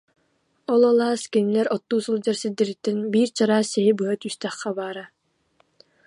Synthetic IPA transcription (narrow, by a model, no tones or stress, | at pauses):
ɔlˠɔlˠaːskinilɛɾɔt̪ːuːsɯlˠd͡ʑaɾsild̪iɾit̪ːɛnbiːɾt͡ɕaɾaːsɛjibɯat̪yst̪ɛχːɛbaːɾa